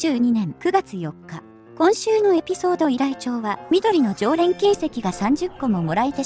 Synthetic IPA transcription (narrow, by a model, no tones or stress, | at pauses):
ɨːɲ̟inẽ̞ŋkɯ̟ɡat͡sɨjo̞kːa | kõ̞ɰ̃ɕɨːno̞e̞pʲiso̞ːd̪o̞iɾait͡ɕo̞ːβamʲid̪o̞ɾʲino̞d͡ʑo̞ːɾẽ̞ŋkʲĩːse̞kʲiɡasãɲ̟d͡ʑɨkːo̞mo̞mo̞ɾait̪e